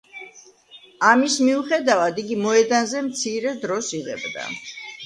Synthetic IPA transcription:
amismiuχɛd̪avad̪iɡimɔɛd̪anzɛmt̪sʰiɾɛd̪ɾɔsiʁɛ̰bd̪a̰

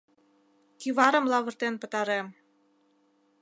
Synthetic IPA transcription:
kiβɑɾə̆mlɑβə̆rt̪enpə̆t̪ɑɾem

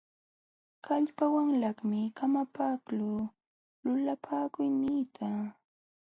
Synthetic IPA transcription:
kaʎpawaŋlaχmɪkamapaklʊ | lʊlapʰaːkʊjniːt̪ʰa

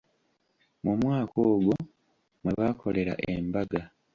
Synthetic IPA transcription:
mumwaːkoːɡo | mweβakʰo̞le̞ɾa̰ʔḛmbaɡa

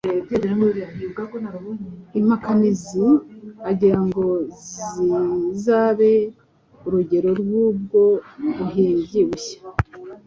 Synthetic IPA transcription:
ebɟeɾeɾaŋɡoɾianibɡakonaɾuβonim̥hakaniziaɟiɾaŋɡo̞zizaːβe̞ | uɾuɟe̞ɾo̞ɾɡwuːb̚ɡo̞ɾuɦiːɲɟiβuçḁ

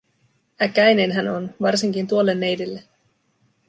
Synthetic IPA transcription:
ækæjne̞nɦæno̞nʋɑrsiŋkint̪uo̞lːe̞nːe̞jdelːe̞

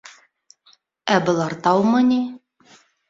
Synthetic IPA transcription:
æbɤ̆lˠɑɾt̪ɑwmɤni

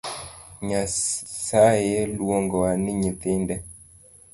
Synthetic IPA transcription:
ɲasajɛlwɔŋɡɔanɪɲiθɪndɛ

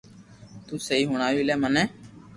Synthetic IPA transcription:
t̪uːseiːɦʊɳ̃aːʋiːlɛːmənɛ̃ː

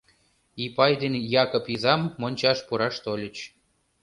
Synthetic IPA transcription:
ipɑjd̪enʲjɑkopizɑmːonʲt͡ɕɑʃpuɾɑʃt̪olʲə̆t͡ɕ

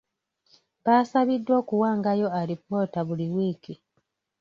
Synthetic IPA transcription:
baːsaβidːwo̞ːkuwaːŋɡajo̞aɾipːo̞ːtaβuliwiːki

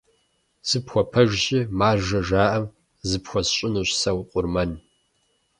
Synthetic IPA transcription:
z̥ɨpxʷɔpʰɐʒʒɪmaːʒɐʒaːʔɐm | zɨpxʷɔsɕʼɪnuɕsɐwqʷʼʊrmɐn

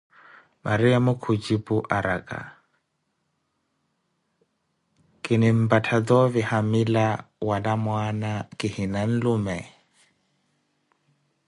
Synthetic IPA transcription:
mʔaɾiamʊkʰut͡ʃʼipuʔaɾa̰kʼa̰ | kʼɪnɪm̩batʰad͡zɔβihamilawalamwanakʼɪhinan̩lumɛ

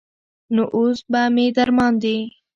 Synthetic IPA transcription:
noʔosbamed̪aɾmɑnd̪e

